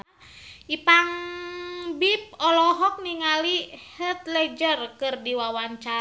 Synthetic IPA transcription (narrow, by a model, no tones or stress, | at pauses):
ʔipaŋ | bip̚ɔlɔɦɔk̚niŋalihət̪̚lɛd͡ʒərkɨrdiwawaɲt͡ʃa